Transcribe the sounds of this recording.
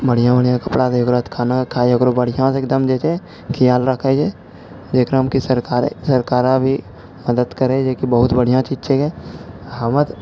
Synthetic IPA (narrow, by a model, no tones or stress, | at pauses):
bəɽijãbəɽ̤ijãkɐpɽat̪eoɡɾot̪kʰaːnãkʰaːoɡɾobəɽ̤ijãseːk̚d̪əmd͡ʒeːt͡ʃe | kʰɪjaːlɾəkʰed͡ʒe | d͡ʒeːkɾəmkisəɾkaːɾḛsɐɾkaːɾãbʱi | məd̪əd̪kəɾed͡ʒeːkibəɦʊt̪bəɽ̤ijãt͡ʃiːt͡ʃekɛɦamət̪